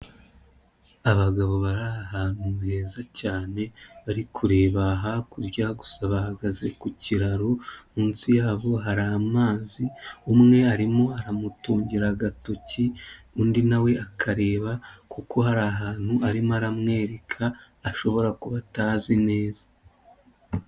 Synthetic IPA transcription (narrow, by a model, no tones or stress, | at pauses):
aβaɡaβo̞βaɾahaːnueːzacaːne̞βaɾikʰuɾe̞ːβaɦakuɾjaɡusaβahaɡaze̞kuciɾaɾo̞muːnsijaːβo̞ɦaɾaːmaːziumŋe̞aɾimo̞aɾamutuːɲɟiɾaɡatoci | undinawe̞akʰaɾe̞ːβakuko̞haɾaɦaːn̥huʔaɾimoaɾamŋe̞ːɾe̞kʰaː | ʃo̞βo̞ɾakuβataːzine̞ːza